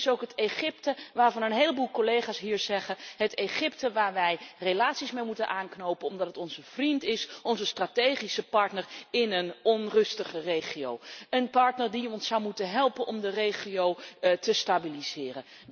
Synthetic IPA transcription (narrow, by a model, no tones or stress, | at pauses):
sowkɦəteχɪptəʋaːɹvɑnənɦejləbulˠkolejχaːsɦiːɹzɛχənɦətejχɪp̚təʋaːɹʋɛjrelaːtsismejmutənʔaːnknowpənɔmdɑtətɔnzəv̥rintɪsʔɔnzəstraːtejχisəpɑɹtnəɹɪnənɔnrɵstəχərejχio̰wənpɑɹtnəɹdiɔnsɑwmutənɦɛlˠpənʔɔmdərejχiowtəstabilizɪːrən